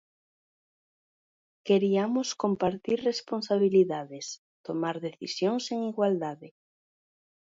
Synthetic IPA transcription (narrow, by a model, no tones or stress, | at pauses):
keɾiamʊskompaɾt̪iɾresponsaβiliðaðes | t̪omaɾðeθisjoŋseŋiɣwald̪aðɪ